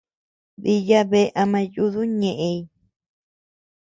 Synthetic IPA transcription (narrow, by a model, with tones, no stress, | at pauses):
ði˧ja˦βe˧˦˧ʔa˧mã˧ju˧˦ðu˦ɲẽ˨ʔẽ˧i˧